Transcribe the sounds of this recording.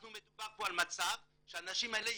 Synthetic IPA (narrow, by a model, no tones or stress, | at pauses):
numet̪ubaʁpoalmat͡sav | ʃeanaʃimaele